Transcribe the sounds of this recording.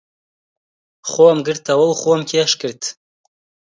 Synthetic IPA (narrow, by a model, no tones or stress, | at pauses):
χʷoamɡɨrtʰawəlχʷuamkʲʰiaʂkɨrtʰ